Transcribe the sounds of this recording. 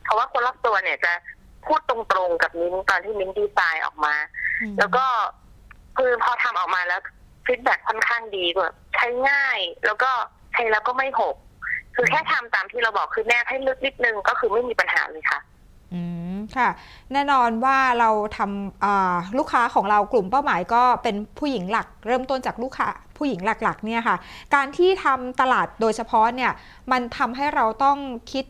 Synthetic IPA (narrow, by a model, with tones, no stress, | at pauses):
pʰɔ˧˩waː˥˩kʰo˧nlaː˥˩p̚t̪u˧ɐni˧˩ɐt͡ɕa˨˩pʰuː˥˩t̪ːo˧ŋt̪ɾo˧ŋka˨˩p̚ni˦˥nt̪ɔː˧nt̪ʰiː˥˩ni˦˥ndiː˧˩saː˧jʔɔ̰ː˨˩k̚maː˧˩lɛː˦˥wkɔː˥˩ | kʰɯː˧pʰɔː˧t̪ʰa˧mʔɔː˨˩k̚maː˧lɛː˦˥w | fi˦˥t̪̚bɛ˨˩kʰːo˥˩nkʰaː˥˩ŋdiː˧ku˧˨˩ | t͡ɕʰa˦˥jŋaː˥˩jlɛ̰ː˦˥wkɔː˥˩ | t͡ɕʰa˦˥jlɛː˦˥wkɔː˥˩ma˥˩jho˨˩k̚kʰɯː˧kʰɛː˥˩t̪ʰa˧mt̪aː˨˧mt̪ʰiː˥˩ɾa˧wbɔː˨˩kʰːɯː˧nɛ˥˩p̚ha˥˩jlɯ˦˥k̚ni˦˥t̪̚nɯ˧ŋkɔː˥˩kʰɯː˧ma˥˩jmiː˧pa˧nha̰ː˩˦lɤː˧jkʰa˥˩ʔ | ʔɯː˧˩kʰa˥˩ | nɛː˥˩nɔː˧nwaː˥˩ɾa˧wt̪ʰa˧mʔɤː˨˩luː˥˩kʰːaː˦˥kʰɔː˩˦ŋɾa˧wklu˨˩mpa˥˩wmaː˩˦jkɔː˥˩pe˧npʰuː˥˩ji˩˦ŋla˨˩k̚ɾɤː˥˩mt̪o˥˩˨nt͡ɕaː˨˩k̚luː˥˩kʰːa̰ː˦˥pʰu˥˩ji˩˦ŋla˨˩k̚la˨˩k̚ni˥˩ɐkʰa˥˩kaː˧nt̪ʰiː˥˩t̪ʰa˧mt̪a˧laː˨˩t̪̚doː˧jsʰa˧pʰɔ˦˥ni˥˩ɐ | ma˧nt̪ʰa˧mɦa˥˩jɾa˧wt̪ɔ˥˩ŋkʰi˦˥t̪̚